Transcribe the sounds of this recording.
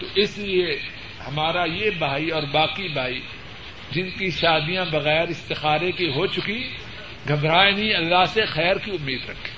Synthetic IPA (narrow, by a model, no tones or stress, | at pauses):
t̪oʔɪslie | hɐmaːɾajebʱaːiɔːɾbaːqibʱaːi | d͡ʒɪnkiʃaːd̪ijãbɐɣɛːɾɪst̪ɪxaːɾekeɦot͡ʃʊki | ɡʱɐbɾaːenĩɐlːaɦsexɛːɾkiʊmːiːd̪ɾɐkʰi̥ː